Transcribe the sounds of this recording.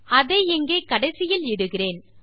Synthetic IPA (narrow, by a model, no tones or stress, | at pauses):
ɐðeːɛŋɡeːkɐɽɐɪsɪjɪlɪɽɯɣɪreːn